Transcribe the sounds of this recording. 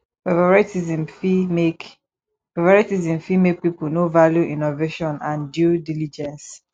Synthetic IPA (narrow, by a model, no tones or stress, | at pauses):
pavaɹɛtizĩmfimek | pavaɹitizĩmfimek̚pipunovaljuʔinoveʃɔ̃nãndjudilid͡ʒɛ̃ns